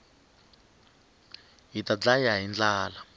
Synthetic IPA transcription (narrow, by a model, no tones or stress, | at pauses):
ɦitat͡ɬajaɦind͡ɮaːla